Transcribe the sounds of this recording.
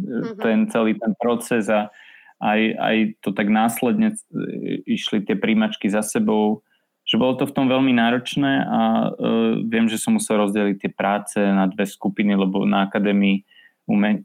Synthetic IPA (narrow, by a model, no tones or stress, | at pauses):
t̪ɛnt͡sɛliːt̪ɛnpɾɔt͡sɛza | aja̰jt̪ɔt̪aɡnaːslɛd̪ɲɛ | iʃlit̪ɪɛpɾiːmat͡ʃkizasɛbɔʊ | ʒ̥ɛbɔlɔt̪ɔft̪ɔmʋɛʎminaːɾɔt͡ʃnɛːʔa̰ | ʋɪɛmʒɛsɔmːusɛlɾɔzɟɛlit̪ːɪɛpɾaːt͡sɛnad̪ʋɛskupinilɛbɔnaakad̪ɛːmii | umɛɲ